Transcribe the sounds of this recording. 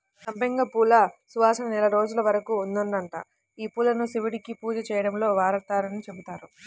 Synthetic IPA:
sɐmbeŋɡɐpuːlɐsuʋaːsɐnɐnɛlɐɾo̞ːd͡ʒulɐʋɐɾɐkuːnd̪unɖɐɳʈa̰ | iːpuːlɐnusiʋiɽikipuːd͡ʒɐt͡ʃɛːjɐɽɐmlo̞ːʋaːɾɐt̪aːɾɐnit͡ʃe̞but̪aːɾu

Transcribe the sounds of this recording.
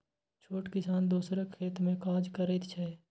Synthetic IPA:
t͡ʃʰoːʈkɪsaːnd̪uːsɾekʰeːt̪mẽkaːd͡ʒkəɾet̪t͡ʃʰɛ

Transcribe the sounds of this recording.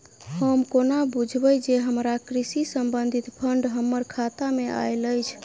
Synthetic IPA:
həmkonabud͡ʒʱbəjd͡ʒeɦəmɾakɾisisəmbənd̪ʱit̪pʰəɳɖɦəmːəɾkʰat̪amea̰jləjt͡ʃʰ

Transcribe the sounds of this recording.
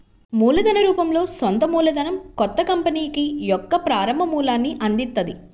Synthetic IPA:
muːlɐd̪ɐnɐɾuːpɐmlo̞ːsɔnt̪ɐmuːlɐd̪ɐnɐmkɔt̪ːɐkɐmpɐniːkijɔkːɐpɾaːɾɐmbʱɐmuːlaːnːiʔɐnd̪int̪ːɐd̪i

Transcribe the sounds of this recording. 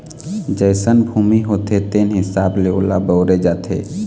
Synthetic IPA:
d͡ʒəɪsənbʱuːmiɦoːt̪et̪eːnɦɪsaːbleolabəʊɾed͡ʒaːt̪ʰḛː

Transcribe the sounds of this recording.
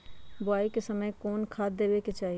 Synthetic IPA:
bʊaːikesəməjkɔːnkʰaːd̪eːbeket͡ʃaːɦi

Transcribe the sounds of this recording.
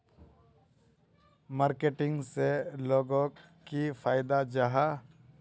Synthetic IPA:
maːɾkeʈɪ̃ŋɡseloːɡõ | kifʰaːɪd̪ad͡ʒaɦa

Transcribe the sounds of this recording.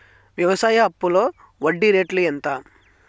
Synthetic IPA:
ʋjɐʋɐsaːjɐɐpːuloː | ʋɐɖːiɾeːʈlient̪aː

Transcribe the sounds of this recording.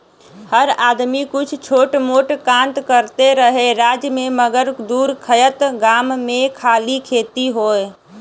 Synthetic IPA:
həɾaːd̪mikʊt͡ʃʰt͡ʃʰoːʈmoʈkãnt̪kəɾt̪eɾəɦeɾad͡ʒmeməɡəɾd̪uɾkʰəjət̪ɡaːmːẽkʰaːlikʰeːt̪iɦoːj

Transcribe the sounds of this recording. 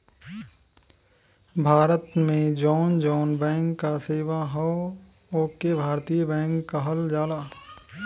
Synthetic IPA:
bʱaːɾət̪mẽd͡ʒɔːnd͡ʒɔːnbɛ̃ːŋkːaseːwaɦɔ | oːkebʱaːɾt̪ijəbɛ̃ːŋkːaɦɐld͡ʒaːlaː

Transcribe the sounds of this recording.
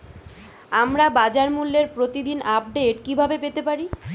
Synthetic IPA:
amɾabad͡ʑaɾmulːeɾpɾot̪id̪inap̚ɖeʈkibʱabepet̪epaɾi

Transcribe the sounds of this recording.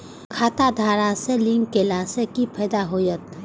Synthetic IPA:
kʰaːt̪ad̪ʱaːɾaselɪ̃ŋɡkelasekipʰɛːd̪aɦoːjət̪̚

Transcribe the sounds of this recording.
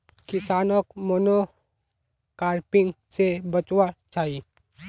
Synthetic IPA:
kɪsaːnəkmoːno | kaːɾpɪ̃ŋɡsebət͡ʃwat͡ʃaːɦi

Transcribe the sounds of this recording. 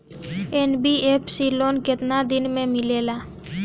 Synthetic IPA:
enbiepsiloːnkɪt̪nad̪ɪnmẽmɪleːlaː

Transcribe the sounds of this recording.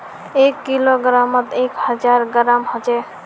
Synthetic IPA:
ekːiloɡɾamɔt̪ekhəd͡ʒaɾɡɾamɦod͡ʒɛ

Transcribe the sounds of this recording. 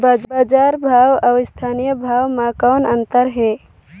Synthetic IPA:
bad͡ʒbad͡ʒaːɾbʱawawst̪ʰanijəbʱawmãkɔːnənt̪əɾɦe

